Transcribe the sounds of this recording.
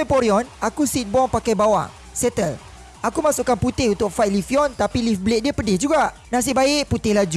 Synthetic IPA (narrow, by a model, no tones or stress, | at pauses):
epɔɾiɔnakusit̪̚bɔŋpakajbawa̰ŋ | sɛt̪əl | ʔakumãsuʔkanput̪ɪhunt̪ʊk̚faj̚lifiɔnt̪apilifblet̪̚diəpədɪhd͡ʒuɡaʔ | nas̬ɪbaɪʔput̪ɪhlad͡ʒu